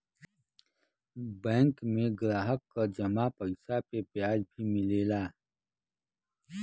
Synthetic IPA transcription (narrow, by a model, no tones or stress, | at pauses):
bɛ̃ːŋkmẽɡɾaːɦəkːad͡ʒɐmapəɪsapepjaːd͡ʒbʱimɪleːlaː